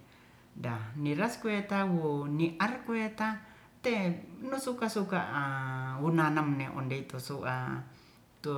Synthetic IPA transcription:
daniɾaskuet̪awuniʔarkuet̪a | t̪enusukasukaʔwunanamneʔo̰ndet̪usuʔa̰ | t̪u

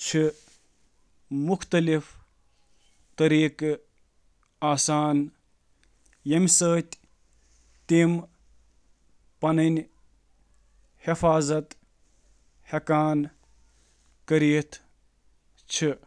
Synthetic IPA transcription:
t͡ʃʰi | mʊkʰt̪ɐlif | t̪ɐɾiːk | aːsaːn | jemsəːt̪ʲ | t̪im | pɐnɐn | hifaːzɐt̪ | hekaːn | kɐɾiːt̪ʰ | t͡ʃʰi

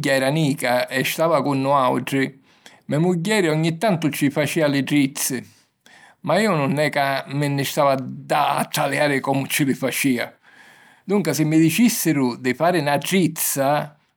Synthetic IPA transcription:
ɟːaɛɾaniːkaɛst̪aːvakunːʊaw̰ʈɾɪ | mɛmuɟːɛːɾɪɔɲːit̪ːant̪ʊt͡ʃɪfat͡ʃiːalɪʈɾit̪sːɪ | maiːʊnʊnːɛkamɪnːɪst̪aːvad̪a̰ːt̪ːaljaːɾɪkɔmʊt͡ʃɪlɪfat͡ʃiːa̰ | d̪uŋkasɪmːɪd̪it͡ʃisːɪɾʊd̪ɪfaːɾɪnaʈɾit̪sa

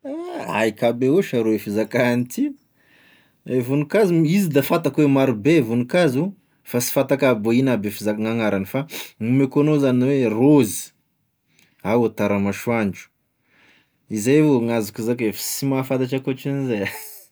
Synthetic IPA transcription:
a̰ikabeuʃaɾoefizakanit̪ʰi | evunukazimizid̪afat̪akwemaɾubevunukazu | fasi̥fat̪akaboinabefizakŋaŋaɾanifanumekonozaniwerozi̥ | awat̪aɾamaʃuand͡ʒu̥ | izajoŋazukuzakefi̥simafat̪aʈ͡ʂakot͡ʃanizaja

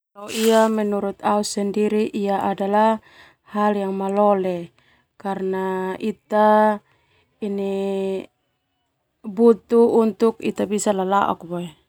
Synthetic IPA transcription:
lauiamɛnuɾut̪ausandiɾiʔijaʔadala | haljaŋmalɔlɛ | karnait̪a | ini | but̪uːnt̪ukḭt̪abisalalaʔɔ̰k̚bɔɛ

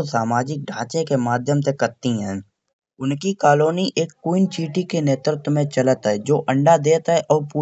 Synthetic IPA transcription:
saːmaːd͡ʒɪk̚ɖʱãːt͡ʃẽkemaːd̪ʱjəmsekɐɾt̪iɦɛ̃ː | ʊnkikaːloːniʔeːkːuːɪnt͡ʃiːʈikeneːt̪ɾɪt̪mẽt͡ʃɐlət̪ɦɛd͡ʒoːʔə̃ɳɖad̪eːt̪ɦɛʔɔːɾpuː

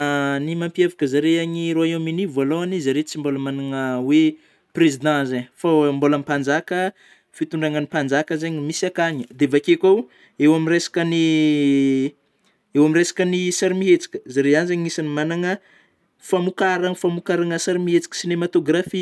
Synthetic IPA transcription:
nimampiavakəzaɾeaɲiɾoaeminivaloanizaɾet͡simboləmanaŋəwe | prezid̪ãzaɲfambolamipand͡ʒakə | fit̪uɳɖ͡ʐaŋənipand͡ʒakəzeɲimisiakaɲəd̪evakekʲaw | ewamiɾesḁkəni | ewamiresḁkənisaɾimiet͡si̥kʲə̥zaɾeanzeɲiisanimanaŋə | famukaɾaŋfamukaɾaŋəsaɾimiet͡si̥kʲə̥sinemat̪oɡrafi

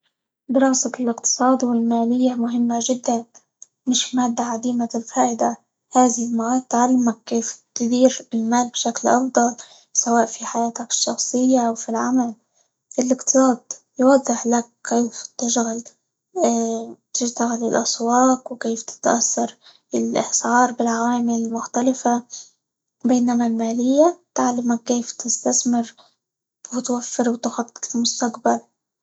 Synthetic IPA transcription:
d̪ɪɾɑːsalɪqt̪ɨ̥sˤɑːd̪wɪlmaːlɪjːamʊɦɪmːaʒɪd̪ːan | mɪʃmaːd̪ːaʕad̪iːmaɪlfaːʔɪd̪a | haːðɪlmaʔaːt̪ːʕalːamakkːeːft̪ɪd̪iːɾɪlmaːlbʃaklʔɑfd̪ˤɑl | sawaːʔfiħajaːt̪akɪ̥ʃːɑxsˤɨjːaʔawfilʕamal | ʔɪlʔɪqt̪ɨ̥sˤɑːd̪jwɑd̪ˤːɨħlak̚kːeːft̪ɪʃɣalː | t̪ɪʃt̪aɣalɪlʔɑswɑːqwɪkeːft̪ɪ̥t̪ʔasːɑɾˤ | ɪlʔɪ̰hsʕɑːɾˤbɪlʕaaːmɪlmʊxt̪alɪfa | beːnamalmaːlɪjːat̪aʕlamakːeːft̪ɪst̪asmɪɾ | wɪt̪wafːɪɾwɪt̪xɑt̪ːɪlmʊst̪aqbal

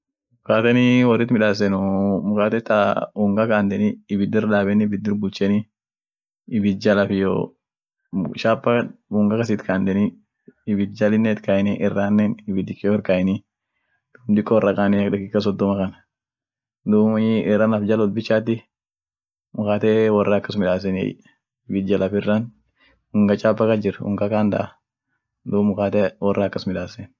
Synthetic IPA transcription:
mʊkaːt̪ɛnɪwɐrːɪt̪mɪᶑaːs̬ɛnʊmʊkaːt̪ɛt̪ːauŋɡɐkaːnd̪ɛnɪːbɪd̪ɪɾᶑ̪aːbɛnɪbɪd̪ːɪɾbʊlt͡ʃɛnɪ | ɪbɪd͡ʒɐlɐfɪjo̰ | ʃaːpːɐuːŋɡɐkɐs̬ɪt̪kaːnd̪ɛnɪ | ɪbɪt̪d͡ʒɐlɪnːɛt̪kaɛnɪʔɛrːaːnːɛnɪbɪd̪ɪkːɔhɪɾkɐɛnɪ | d̪̥uːmd̪ɪkʼːɔwrːɐkʼaːnɪɐkᶑɛkːɪkːɐs̬ɔd̪ːɔmɐkɐnɐ | d̪uːmɪrːaːnɐfd͡ʒɐlɔlbɪt͡ʃːaːt̪ːɪ | mʊkaːt̪ewɐrːɐːkːɐsmɪᶑaːs̬ɛnḛj | ɪbɪt̪̚d͡ʒɐlʔɐfɪrːɐn | ʊŋɡɐt͡ʃʼaːpːɐkɐd͡ʒɪrɐʊ̰ŋɡɐkaːnd̪ɐ̰ʔ | d̪uːmʊkaːt̪ɛwɐrːɐɐkːɐsmɪᶑaːsɛn

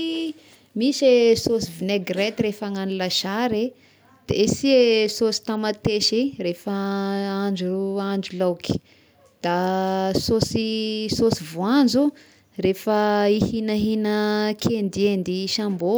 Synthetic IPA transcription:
misesosivineɡret̪iɾefaŋanilaʃaɾe | d̪̥eesiesosi̥t̪amat̪eʃirefaand͡ʒuaɳd͡ʒulawki̥ | d̪̥asosisosivoand͡zu | refəihinaɦinəkʰend̪iend̪iʃambo

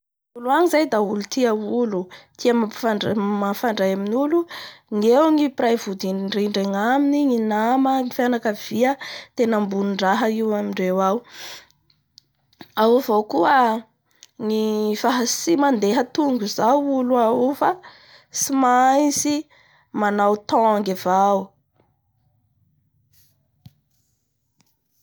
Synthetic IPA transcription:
uluaŋizajd̪aulut̪iəulut̪ʰiamaamafaɳɖ͡ʐajaminuluŋewŋiprajvud̪inɳɖ͡ʐeɳɖ͡ʐeŋaminiŋinaməŋifjanakəv̥iət̪enəmbuniɳɖ͡ʐaɦəiwamiɳɖ͡ʐewaw | auvowkuə | ŋifaɦasimand̪eɦət̪uŋɡuzawuluaufa | simajzi | manawt̪ɔŋɡivaw

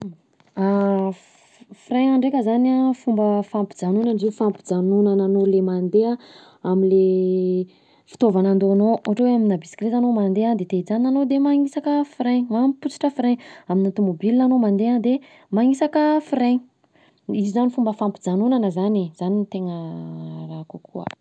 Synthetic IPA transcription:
a | fireŋaɳɖ͡ʐekʲəzanafumbəfampid͡zanunanzifampi̥d͡zanunananolemand̪ea | aminle | fi̥t̪ovanand̪oanouʈ͡ʂeweaminabisi̥klezanomand̪eand̪et̪ed͡zaninːanod̪emaŋisakəfiɾeɲmamput͡si̥ʈ͡ʂəfɾeɲaminat̪umobilnanomand̪ead̪e | maŋisakəfireŋ | izizanifumbəfampi̥d͡zanunanəzanez̥anit̪eŋərakukuə̰

